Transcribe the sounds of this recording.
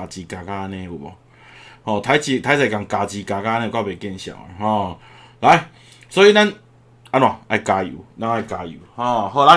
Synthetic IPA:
a˨t͡ɕi˧ka˧ka˦a˧˦nɛ̃˧˨u˨˩bɔ˨˩ | hɔ˧˨t̪ʰa˧˦jt͡ɕi˧˨t̪ʰa˧˦jt͡sa˨˩jka˨ŋka˨t͡ɕi˧ka˨ka˦˧˦nɛ̃˧kwa˥˧˨be˨˩kɛ˥˧˨nɕja̰˨˩ḛ˨˦ɦɔ̃˥˧˩ | la˧˦j | sɔ˦i˧la˦n | a˧nwa˨a˧jka˧jṵ˨˦la˧ŋa˧˩jka˧jṵ˨˩˦hɔ˧ɦɔ˧˨la˧˦

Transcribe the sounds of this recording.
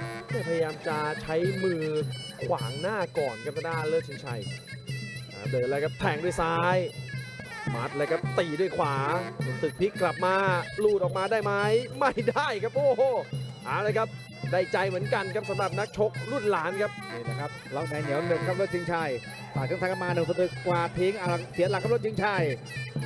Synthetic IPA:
maː˥˩pʰa˧ja˧jaː˧mt͡ɕa˨˩t͡ɕʰa˦˥jmɯː˧kʰwaː˩˦ŋnaː˥˩kɔː˨˩nkʰa˦˥t̪ʰa˧˩daː˥˩lɤː˥˩k̚t͡ɕʰi˧ŋt͡ɕʰa˧˩j | ʔa̰ː˧˩dɤː˨˩lːkʰa˦˥p̚t̪ʰɛː˧˩ŋdu˥˩jsaː˦˥j | maː˦˥t̪̚laː˧jkʰa˦˥p̚t̪iː˨˩du˥˩əjkʰwaː˩˦na˧˩˦t̪ɯ˨˩k̚pʰi˦˥kːla˨˩p̚maː˧luː˥˩t̪̚ʔɔː˨˩k̚maː˧daː˥˩jma˦˥jma˥˩jdaː˥˩jkʰa˦˥p̚ʔoː˧˩˧ʔaː˨˩wlaː˧jkʰa˦˥p̚ | daː˥˩jt͡ɕa˧jmɯ˩˦ənka˧nkʰa˦˥p̚sa˨˦mɾa˨˩p̚na˦˥k̚t͡ɕʰo˦˥k̚luː˥˩t̪̚laː˨˦˥nkʰa˦˥p̚iː˧˩na˦˧˩kʰa˦˥p̚la˧˩wt̪ɛː˧ŋni˨˦wnɯ˨˩t̚kʰa˦˥p̚lɤ˥˩k̚t͡ɕʰi˧˦ŋt͡ɕʰa˧˩j | saː˨˩kʰːt̪ʰa˦˥ka˧˥maː˧nɯ˨˧˩sa˧t̪ɾɯ˨˩kkːwaː˧˩p̪ʰeː˦˥ŋʔaː˧la˧ŋsʰi˨˦t̪̚la˨kʰːa˦˥˩lt̚t͡ɕʰi˧˦ŋt͡ɕʰa˧˥˩j

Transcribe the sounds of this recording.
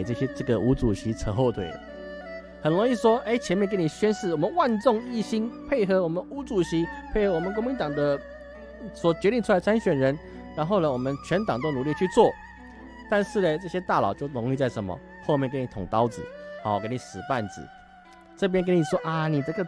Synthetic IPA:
ʈ͡ʂɤ˥˩ɕjɛ˥ʈ͡ʂɤ˥˩ɡə˨ʔu˧˥ʈ͡ʂu˨˩ɕi˧˥ʈ͡ʂʰə˧˥ŋxo˥˧ʊt̪ʰwḛ˨˩ɪ˩ | hə˨˩nɻo˧˥ŋi˥˩ʂwɔ˥ʔe˥˩ɪt͡ɕʰjɛ˧˥nmjɛ˥˧nkə˥ni˨˩ɕɥɛ˥nʂɻ̩˥˩wɔ˨˩mə˨˦nwa˥˧nt͡sʊ˥˧ŋi˥˩ɕi˥npʰe˥˩ɪxɤ˧˥wɔ˨˩mə˧˦nu˧˥t͡su˨˩ɕi˧˥pʰe˥˩ɪxɤ˧˥wɔ˨˩mə˨nk̬o˥ŋmi˧˦nt̪ɑ˨˩ŋd̪ə˦ | swɔ˨˩t͡ɕɥɛ˧˥ɾi˥˩ŋʈ͡ʂʰu˥a˧ɪdə˧t͡sʰa˥nɕɥɛ˨˩nɻə˧˦n | ɻa˧˥nxo˥˩ʊnə˨˩wɔ˨˩mə˦nt͡ɕʰɥɛ˧˥nt̪ɑ˨ŋt̪o˥ʊnu˨˦li˥˧t͡ɕʰy˥˧t͡swɔ˥˩ | t̪a˥˧nʂɻ̩˥˩lə˨t͡sɤ˥˩ɕjɛ˥t̪a˥˩lɑ̰˨˩ʊt͡ɕjo˥˩ʊɻʊ˧˥ŋi˥˧t͡sa˥˩ɪʂə˧˥nmə̰˨ | xo˥˧ʊmjɛ˥˩˨nkə˥ni˨t̪ʰʊ˨˩ŋt̪ɑ˥ʊt͡sɹ̩̰˨˩ha˧˥˦ʊ˩ke˥ni˨ʂɻ̩˨˩pa˥˩nt͡sɹ̩˨˩˦ | ʈ͡ʂɤ˥˧˩p̬jɛ˥nk̬ə˥ni˨˩ʂwɔ˥ʔa˨˩ni˨t̪ə˥˧ɡ

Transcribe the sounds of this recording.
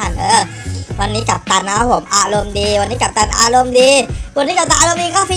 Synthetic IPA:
a˨˩˨nʔə˧ | wa˧nːiː˦ka˨˩p̚t̪a˧na˧˦ɦo˨˦mʔa˧lo˧mdi˧wa˧nːiː˦ka˨p̚t̪a˧na̰˧lo˧mdi˧wa˧nːi˦ka˨p̚t̪a˧ʔa˧lo˧mdi˧ka˦fi˧

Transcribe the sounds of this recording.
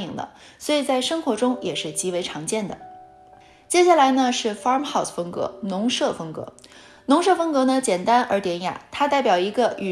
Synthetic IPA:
i˨˩ŋd̪ə̰˦ | swɔ˧˥i˨˩t͡sa˥˩ɪʂɤ˥ŋxwɔ˧˥ʈ͡ʂʊ˥ŋjɛ˨˩ʂɻ̩˥˩t͡ɕi˧˥we˧˥ɪʈ͡ʂʰɑ˧˥ŋt͡ɕjɛ˥˩nd̪ə̰˩ | t͡ɕjɛ˥ɕ̬ja˥˩la˧˥ɪnə˧ʂɻ̩˥˩fɑ˥mxɑ˥˩ʊsfɤ˥ŋkɤ̰˧˥nʊ˧˥ŋʂɤ˥˩fɤ˥ŋkɤ̰˧˥ | nʊ˧˥ŋʂɤ˥˩fɤ˥ŋkɤ˧˥nə˧t͡ɕjɛ˨˩nt̪a˥nə̰˞˧˥t̪jɛ˧˥nja̰˨˩t̪ʰa˥t̪a˥˩ɪpʲjɑ˨˩ʊi˧˥ɡə˧y˨˩

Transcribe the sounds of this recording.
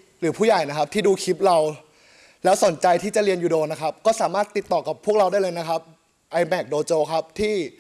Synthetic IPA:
ɾɯː˩˦pʰuː˥˩jaː˨˩jna˦˥kʰa˦˥p̚t̪ʰiː˥˩duː˧kʰi˦˥p̚ɾa˧w | lɛː˦˥wso˨˩˦nt͡ɕa˧jt̪ʰiː˥˩t͡ɕa˨˩ɾi˧ənjuː˨˩doː˧nːa˦˥kʰa˦˥p̚kɔː˥˩saː˩˦maː˥˩t̪ːi˨˩t̪ːɔː˨˩ka˨˩pʰːu˥˩ək̚ɾa˧wdaː˥˩lɤː˧jna˦˥kʰa˦˥p̚ | ʔa˧jmɛː˨˩k̚doː˧t͡ɕoː˧kʰa˦˥p̚t̪ʰiː˥˩

